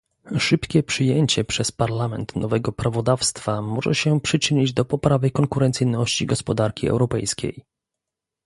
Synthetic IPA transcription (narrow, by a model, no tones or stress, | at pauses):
ʂɘpkʲɛpʂɘjeɲt͡ɕɛpʂɛspaɾlamɛ̰nt̪nɔvɛɡɔpɾavɔd̪afst̪famɔʐɛ̰ɕɛpʂɘt͡ʂɘɲid͡ʑd̪ɔpɔpɾavɘkɔŋkuɾɛnt̪sɘjnɔɕt͡ɕiɡɔspɔd̪aɾkʲiɛ̰wɾɔpɛjskʲḛj